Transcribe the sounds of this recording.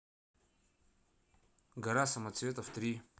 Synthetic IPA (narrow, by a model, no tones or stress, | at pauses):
ɡɐɾasɐmɐt̪svʲet̪əft̪ɾʲi